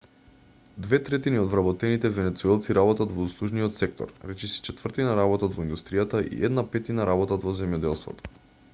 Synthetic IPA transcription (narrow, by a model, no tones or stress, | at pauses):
d̪vɛt̪ɾɛt̪iniɔd̪vɾabɔt̪ɛnit̪ɛvɛnɛt̪suɛlˠt̪siɾabɔt̪at̪vɔuslˠuʒnijɔt̪sɛk̚t̪ɔ̰ɾɾɛt͡ʃisɛ̥t͡ʃɛt̪vr̩t̪inaɾabɔt̪at̪vɔind̪ust̪ɾijat̪aʔḭʔɛd̪napɛt̪inaɾabɔt̪at̪vɔzɛmjɔd̪ɛlˠst̪vɔ̰t̪ɔ̥